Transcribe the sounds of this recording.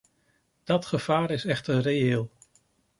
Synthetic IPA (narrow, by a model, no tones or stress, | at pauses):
d̥ɑtχəv̥aːɾɪsɛχtərejɪːlˠ